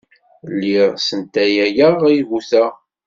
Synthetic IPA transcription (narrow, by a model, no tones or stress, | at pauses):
lːiʁsənt̪æjæjəʁjvuθæ